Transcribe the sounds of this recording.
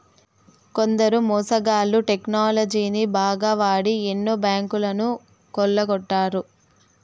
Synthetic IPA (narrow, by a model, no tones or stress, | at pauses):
ko̞nd̪ɐɾumɔːsɐɡaːluʈeknaːlɐd͡ʒiːnibaːɡɐʋaːɽienːubjaːŋkulɐnu | kɔlːɐɡɔʈːaːɾu